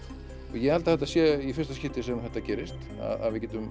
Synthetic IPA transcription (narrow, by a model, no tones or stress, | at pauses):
ɔjɛɣhalt̪aθɛht̪asjɛifɪɾ̥st̪ascɪht̪ɪsɛmθɛht̪acɛːɾɪst̪ | a̰ða̰ðvɪðcɛːt̪ʏm